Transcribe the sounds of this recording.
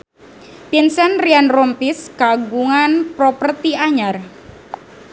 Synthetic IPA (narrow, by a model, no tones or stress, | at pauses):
pinsɛnrianrɔmpiskaɡuŋanpɾopərt̪iaɲar